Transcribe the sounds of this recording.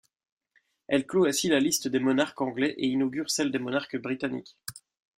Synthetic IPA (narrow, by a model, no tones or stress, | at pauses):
ɛlkloɛ̃silalist̪d̪emɔnaʁkɑ̃ɡlɛʔeinɔɡʲyʁsɛld̪emɔnaʁkbʁit̪anḭk